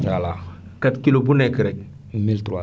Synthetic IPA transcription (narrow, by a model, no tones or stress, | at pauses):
alakatkilobunekəɾɛk̚ | miltɾwa